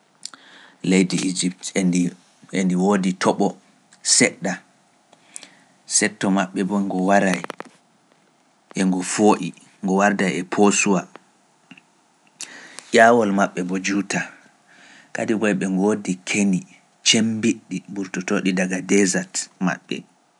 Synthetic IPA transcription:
lejdiʔid͡ʒiptndi | endiwoditʰɔɓɔ | sɛɗːa | sɛtːɔmaɓːɛbɔŋɡɔwaɾaj | ʔɛŋɡɔfoːʔi | ŋɡɔwaɾdajɛpʰosuwa | ʔaːwɔlmaɓːɛbɔd͡ʒuta | ka̰dibɔjɓɛŋɡodikʰeni | t͡ʃembiɗːibuɾtɔtoɗidaɡadɛzatma̰ɓːɛ̰

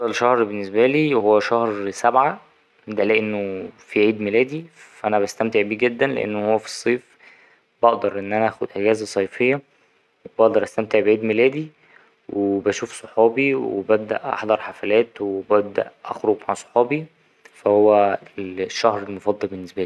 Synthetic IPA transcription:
ɑlʃɑhɾbenːesbæliːwhowːæʃɑhɾsæbʕa | d̪ælæʔenːofiʕiːd̪melæːd̪iæʔænæbæst̪æmt̪eʕbiːɡed̪ːænlḛʔḛnːohowːæfi̥sˤːiːf | bɑʔd̪ɑɾˤʔenːʔænæʔæːxod̪ʔeɡæːzæsˤɑjfejːæ | webɑʔd̪ɑɾˤʔæst̪æmt̪eʕbeʕiːd̪melæːd̪i | wʔebæʃuːfsˤoħɑːbiwḛbæb̚d̪æ̰ʔʔɑ̰ħd̪ˤɑɾˤħafælæːt̪webæb̚d̪æ̰ʔʔɑ̰xɾoɡmaʕsˤo̥ħɑːbi | fæhowːæelʃːɑhɾelmofɑd̪ˤːɑlbenːesbæliː

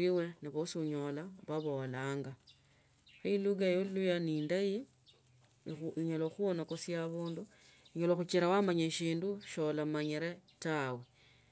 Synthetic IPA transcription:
iwe̞niβosuɲolaβaβo̞laːŋɡa | xiluɡajolujaniːndaji | iɲoloxuonakosjaβuːndu | iɲoloxut͡ʃiɾawamaɲeʃiːnduʃolamaɲiɾetawe̞

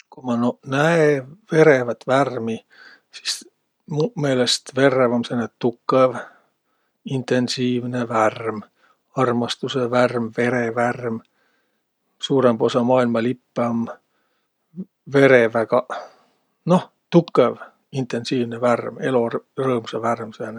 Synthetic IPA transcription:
kumɑnonæeve̞ɾevæt̪værmi | si̥s | mume̞ːlest̪ve̞rːevɑmsenett̪ːukːˑev | int̪e̞nsiːvneværm | ɑrmɑst̪useværmve̞ɾeværm | suːɾembo̞sɑmɑːilmɑlipːeɑm | ve̞ɾevækɑ | no̞ | t̪ukːˑev | int̪ensiːvneværme̞lorɤːmuseværmsene

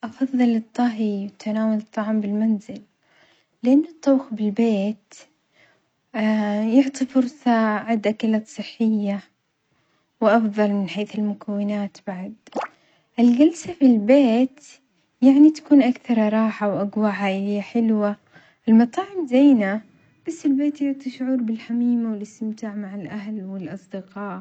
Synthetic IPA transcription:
ʔɑfɑðˤːɨlɨt̪ˤːɑɦiwat̪ʰanaːwalɨt̪ˤːɑʕmbɪlmanzɪlː | ɪʔanːʊt̪ˤːɑwxbɪlbeːt̪ | jʊʕt̪ˤifʊɾsˤɑʕɪd̪akalat̪sˤɨħːɪjːa | wʔɑfðˤɑlmɪnħeːθɪlmʊkʰawːɪnaːt̪b̥aʕd̪ | ʔɪlɡalsafilbeːt̪ | jaʕnit̪ḁkuːnʔakθɑɾˤɾˤɑːħawʔaɡwaʕaʔɪɪjːaħɪlwa | ʔɪlmɑt̪ˤɑːʕɪmzajna | b̥asːɪlbeːt̪jʊʕt̪ˤiʃʊʕuːɾbɪlħamiːmawɪlɪst̪ɪmt̪aːʕmaʕalʔaɦlwɪlʔɑsˤd̪ɪqɑːʔ

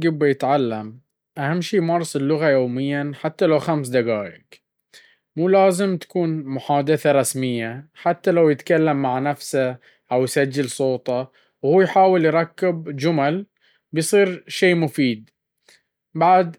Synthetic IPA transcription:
ɡɪbːajɪt̪ʕalːam | ʔahamːʃiːmɑːɾˤɑsˤɪlːʊɣajoːmɪjːaħat̪ːalawxamsd̪aɡaːʔɪk | muːlaːzɪmt̪ḁkuːnmʊħaːd̪ɪθaɾˤɑsmɪjːaħat̪ːalawjɪt̪kalːamːaʕnafsa | ʔawjsad͡ʒːɪlsˤoːt̪ˤɑ | whuːjħaːwɪljɾˤɑkːɪbd͡ʒʊmal | bjsˤiːɾʃeːmʊfiːd̪̚ | baʕd̪

